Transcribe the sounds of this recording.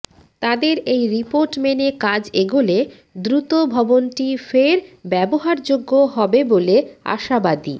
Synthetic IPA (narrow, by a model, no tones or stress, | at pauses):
t̪ad̪eɾejɾipoɾʈmenekad͡ʑeɡole | d̪ɾut̪obʱɔbonʈifeɾbɛboɦaɾd͡ʑoɡːoɦɔbebolea̰ʃabad̪ḭ